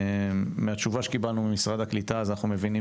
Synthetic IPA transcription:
meat͡ʃuvaʃekibalnubemisʁad̪haklit̪aːzanaχnumevini

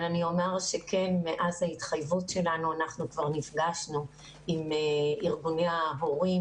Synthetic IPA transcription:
lanio̞meʁʃe̞kʰenmeʔazhaitχajvutʃe̞lanuanaχnukvaʁnifɡaʃnu | imeiʁɡuneaɦoʁi

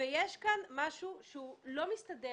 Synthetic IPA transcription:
ejeʃkanmaʃuʃeulo̞mist̪ade

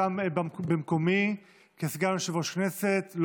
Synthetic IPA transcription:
ambbemkomi | kesɡanʃevoʃkneset̪l

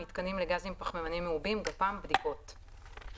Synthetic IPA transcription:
it̪kanimleɡazimpaχmemanimːeubimɡapambdiko̞t

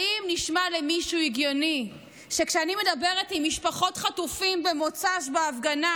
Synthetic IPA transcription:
imniʃmalemiʃuiɡjo̞ni | ʃe̞kʃeanime̞dabe̞ʁetimːiʃpaχo̞tχatufimbe̞mo̞t͡saʃ̬baafɡana

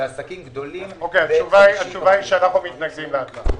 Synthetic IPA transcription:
asakimɡd̪olimokejat͡ʃuvaiat͡ʃuvaiʃealaχomit̪naɡdimleatla

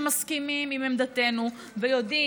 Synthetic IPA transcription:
maskimimimemd̪at̪e̞nu | vejo̞d̪i

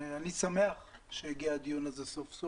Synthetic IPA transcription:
anisameaχʃejiɡiad̪ijonazesofso

